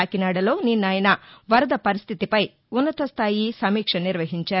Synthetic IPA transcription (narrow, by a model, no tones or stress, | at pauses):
aːkinaːɽɐlo̞ːninːaːjnɐʋɐɾɐd̪ɐpɐɾist̪ʰit̪ipɐj | unːɐt̪ɐst̪ʰaːjisɐmiːkʂɐniɾʋɐɦiɲt͡ʃaː